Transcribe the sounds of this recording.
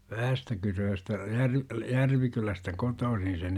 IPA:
ʋæhæstækyrøːstæ jærʋ jærʋikylæstæ kotoːsin̞ sen

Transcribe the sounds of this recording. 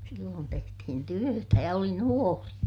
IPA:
silːoːn tehtihin tyøtæ jɑ oli nuori

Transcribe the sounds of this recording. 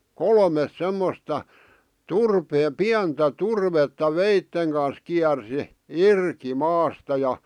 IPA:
kolmes semːostɑ turpeː piæntæ turʋetːɑ ʋeitːeŋ kɑns kiærsi irki mɑːstɑ jɑ

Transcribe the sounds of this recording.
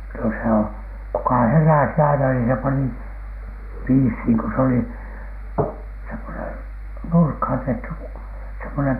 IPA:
no se o kukɑ heræˑsi ɑinɑ niː se pɑni piːshiːŋ ko s oli semːonen nurkhɑˑn tehty semːonem

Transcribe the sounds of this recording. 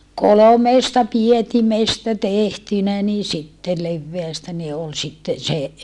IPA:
kolomeːstɑ pietimestæ tehtynæ niː sitːe leʋːeæstæ ni ol sitːen se

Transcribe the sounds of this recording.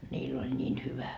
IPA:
nʲiːlː olʲ nʲiːn hyʋæ

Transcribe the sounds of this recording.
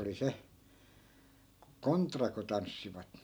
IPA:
oli se kontrɑ ku tɑnsːiʋɑt

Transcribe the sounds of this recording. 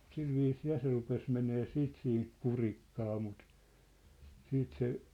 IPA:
silʋiːsiː jɑ se rupes meneː siːt siːnt kurikːɑː mut siːt se

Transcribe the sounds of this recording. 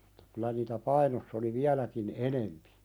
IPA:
m̥u̥tːɑ kylæ niːtæ pɑinosː oli ʋiælækin enempi

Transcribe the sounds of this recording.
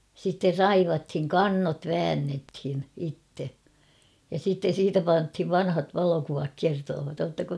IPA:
sitːer rɑiʋɑthiŋ kɑnːot ʋæːnːethin itːe jɑ sitːen̞ siːtæ pɑnthiʋ ʋɑnhɑt ʋɑlokuʋɑk kertoːʋɑt oːtːɑko

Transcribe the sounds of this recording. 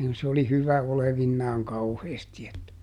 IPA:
s oli hyʋæ oleʋinːɑːŋ kɑuheːsti etːæ

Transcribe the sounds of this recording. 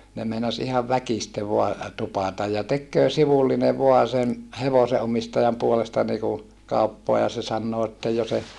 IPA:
ne meinɑs ihɑʋ ʋækiste ʋoɑ tupɑˑtɑj jɑ tekːøː siʋulːine ʋoɑ sen heʋoseʔomistɑjɑm puolestɑ niku kɑupːoɑ jɑ se sɑnːoː etːæ jo se

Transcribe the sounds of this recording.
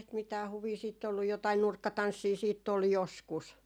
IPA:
sit mitæː huʋiː siːtː olːu jotɑi nurkːɑtɑnsːiː siːtː ol joskus

